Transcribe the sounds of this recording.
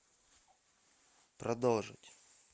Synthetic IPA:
pɾɐd̪olˠʐɨ̰tʲ

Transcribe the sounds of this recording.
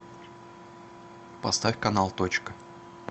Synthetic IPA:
pɐst̪afʲkɐnalˠt̪ot͡ɕkə

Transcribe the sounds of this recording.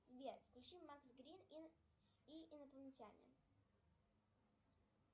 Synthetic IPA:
sbʲeɾfklʲʉt͡ɕimːaksɡɾʲin | iɪnət̪əlˠnʲtʲanʲɪ̰

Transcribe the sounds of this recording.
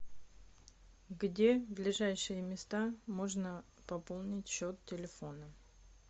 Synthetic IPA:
ɡdʲe̞vd̪lʲɪʐajʂɨjəmʲɪst̪amo̞ʐnə | pɐpolˠnʲɪtʲɕot̪tʲɪlʲɪfo̞nə

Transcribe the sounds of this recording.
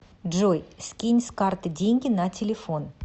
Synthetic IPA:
dʒojskʲinʲskart̪ɨdʲe̞ŋʲɡʲɪnɑtʲʰɪlʲefo̞n

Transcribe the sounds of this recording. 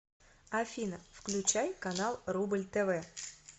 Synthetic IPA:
ɐfʲinəfklʲʉt͡ɕæjkɐnalˠrublʲt̪ɛvɛ

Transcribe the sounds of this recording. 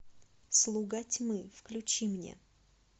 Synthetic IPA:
slˠuɡatʲmɨfklʲʉt͡ɕimnʲḛ

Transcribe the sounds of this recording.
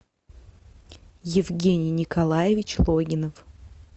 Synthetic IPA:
jɪvɡʲenʲɪjnʲɪkɐlˠajɪvʲɪt͡ɕlˠoɡʲɪnəf

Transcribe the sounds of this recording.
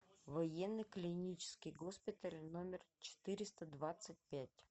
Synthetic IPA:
vɐjenːəklʲɪnʲit͡ɕɪ̥skʲɪjɡospʲɪt̪əlʲnomʲɪrt͡ɕɪ̥t̪ɨɾʲɪst̪əd̪vat̪sɨt̚ʲpʲætʲ

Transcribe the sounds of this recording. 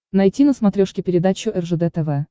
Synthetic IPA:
nɐjtʲinəsmɐt̪ɾʲoʂkʲɪpʲɪɾʲɪd̪at͡ɕʊʔɛrʐɨd̪ɛt̪ɛvɛ

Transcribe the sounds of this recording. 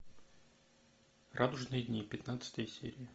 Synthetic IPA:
rʔad̪ʊʐnɨjədʲnʲipʲɪt̪nat̪sə̥t̪əjəsʲḛɾʲɪɪ

